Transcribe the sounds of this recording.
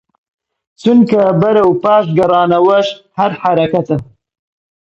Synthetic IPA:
t͡ʃunkɐbɐɾɐwpɑːʃɡɐrɑːnɐwɐʃ | hɐɾħaɾɐkɐt̪ɐ

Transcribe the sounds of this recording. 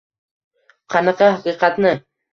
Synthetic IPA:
qɑnɑqɑhɑqiːqɑt̪nə

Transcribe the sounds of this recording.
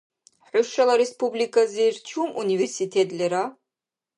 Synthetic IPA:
ħʷʊʂɐlɐɾespublikʰʼazɨrt͡ʃʰumuniversitʰet̪ʼlʲæɾa

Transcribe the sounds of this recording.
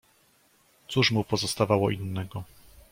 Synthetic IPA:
t̪suʂmupɔzɔst̪avawɔʔinːɛɡɔ

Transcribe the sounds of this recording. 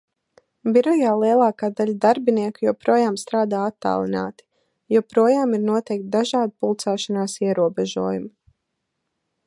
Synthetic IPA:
biɾɔjaːlˠiɛlˠaːkaːd̪aʎad̪aɾbiniɛkujuɔpɾuɔjaːmst̪ɾaːd̪aːat̪ːa̰ːlˠina̰ːt̪i̥ | jupɾuɔjaːmiɾnuɔt̪ɛjk̚t̪̚d̪aʒaːd̪pulˠt̪saːʃanaːsiɛɾuɔbɛʒṵɔːjum

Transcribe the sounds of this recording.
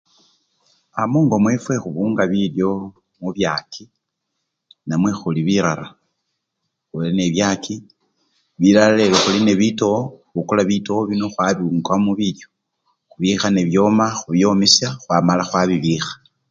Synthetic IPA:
amuːŋɡo̞mwefwe̞xuβuːŋɡaβiljo̞ | muβjakʰi | namwe̞xuliβiɾala | xuline̞βjakʰi | βiɾaleloxulineβitooβukulaβito̞oβino̞xwaβiŋɡamuβiljo | xuβixane̞βjo̞maxuβjo̞misjaxwamalaxwaβiβixḁ

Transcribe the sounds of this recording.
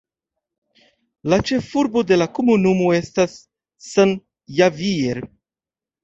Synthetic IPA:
lat͡ʃe̞fuɾbo̞de̞lako̞munumo̞e̞stasː | an | javieɾ

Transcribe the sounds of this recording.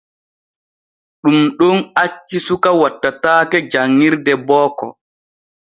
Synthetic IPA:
ɗumɗonat͡ʃːisukawatːataːkɛd͡ʒaŋːiɾdɛbɔːkɔ̰

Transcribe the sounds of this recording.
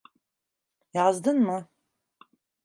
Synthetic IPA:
iʕazdɨnma

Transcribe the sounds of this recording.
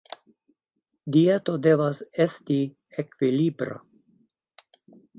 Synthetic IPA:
dietode̞vasesti | ekvilibɾa̰

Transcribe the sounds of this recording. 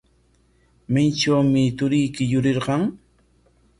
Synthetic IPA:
majʈ͡ʂawmɪt̪ʊɾɪjkɪjʊɾɪɾɢɑŋ

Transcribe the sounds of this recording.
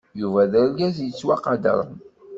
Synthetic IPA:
juvæðəɾɡæzjət͡sːwaqɑd̪ə̰ɾˤən

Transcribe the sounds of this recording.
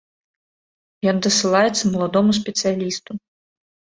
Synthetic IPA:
jɔnd̪ɐsɨlˠajɛt̪sːɐmɐlˠad̪ɔmus̬ʲpʲɛt̪sɨjalʲist̪u

